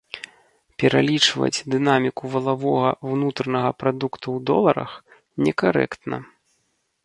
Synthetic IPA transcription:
pʲɛɾʔalʲit͡ʂvɐ̰d͡zʲd̪ɨnamʲikuvɐlˠavɔɣɐwnut̪ɾɐnɐɣɐpɾad̪ukt̪uwd̪ɔlˠɐɾɐ̰x | nʲɛkaɾɛ̰kt̪nɐ̰

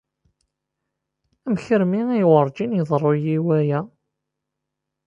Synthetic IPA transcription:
æmçəɾmiijwəɾˤd͡ʒinjðˤrˤːojiwæjæ

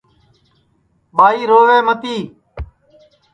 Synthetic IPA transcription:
ɓaːiːɾoːʋeːmət̪iː

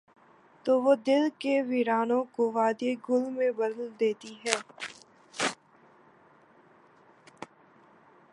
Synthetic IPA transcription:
t̪oːʋoːd̪ɪlkeʋiɾaːnõkoʋaːd̪jeɡʊlmẽbɐd̪əld̪eːt̪iɦɛː

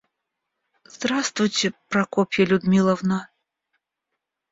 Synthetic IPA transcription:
z̥d̪ɾast̪vujtʲɛpɾɐkɔpʲjɐlʲʊd̪mʲilˠɐvna

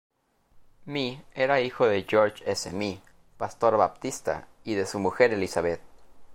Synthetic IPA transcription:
mieɾaixo̞ðe̞ʝoɾt͡ʃesḛmi | past̪o̞ɾβap̚t̪ist̪a̰ | iðe̞sumuxe̞ɾe̞lisaβe̞t̪̚

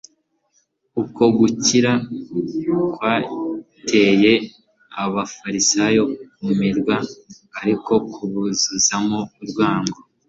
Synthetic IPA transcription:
uko̞ɡuciɾa | kwaː | tʰeje̞ | aβafaɾisajo̞kumiɾɡwaː | ɾiko̞kʰuβuzuzamouɾɡwaːŋɡo

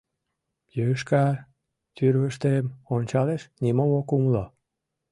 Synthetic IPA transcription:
jøʃkɑ | t̪yɾβəʃt̪emonʲt͡ɕɑleʃnimomokumlo

